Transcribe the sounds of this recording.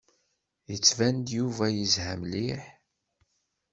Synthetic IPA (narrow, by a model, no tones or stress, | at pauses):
jət͡sːvænd̪juvæjəzhæmliħ